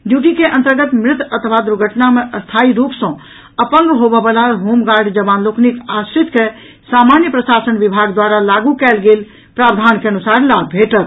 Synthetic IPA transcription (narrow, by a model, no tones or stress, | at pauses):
ɖjuʈikeʔənt̪əɾɡət̪mɾɪt̪ʰət̪ʰəʋ̤ʱad̪ɾuɾɡʱəʈnameʔəst̪ʰaiɾupsə̃ | əpənɡɦobɛbəlaɦomɡaɾɖd͡ʒəbanloknikasɾit̪ke | samanjəpɾəsasənʋibʱaɡd̪waɾalaɡukɛlɡel | pɾabd̪ʱankeənusaɾlalbʱeʈət̪